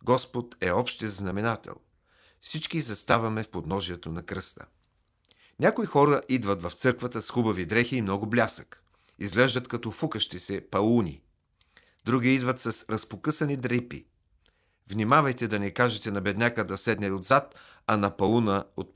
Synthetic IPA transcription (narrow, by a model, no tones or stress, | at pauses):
ɡɔspot̪ɛɔpʃt̪ɛznɐmɛnat̪ɛ̰lˠ | fsit͡ʃkizɐst̪avɐmɛfpod̪nɔʒiɛt̪onɐkɾɤst̪ə̰ | nʲakoixɔɾəʔid̪vɐt̪vɐft̪sɤɾkvɐt̪əsxubɐvid̪ɾɛxiːmnɔɡʊblʲasək | izɡlɛʒd̪ɐt̪kɐt̪ɔfukəʃt̪isɛpɐlˠunʲḭ | d̪ɾuɡʲiid̪vɐt̪sɐsɾɐspokɤsɐnid̪ɾipḭ | vnimavɐjt̪ɛd̪ɐnɛkaʒɛt̪ɛnɐbɛd̪nʲakəd̪ɐsɛd̪nɛod̪zat̪ | ɐnɐpɐlˠunəot̪̚